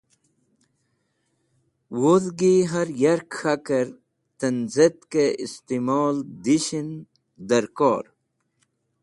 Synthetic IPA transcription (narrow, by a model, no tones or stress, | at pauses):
woðɡiɦɐɾjɐɾkxakəɾ | t̪ənzet̪keist̪imoːld̪iɕin | d̪əɾkoːɾ